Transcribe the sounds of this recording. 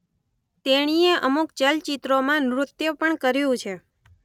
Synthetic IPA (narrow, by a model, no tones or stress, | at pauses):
t̪eɽ̃ieʔəmukt͡ʃəlt͡ʃit̪ɾomãnɾʊt̪jəpəɳkəɾjũt͡ʃʰe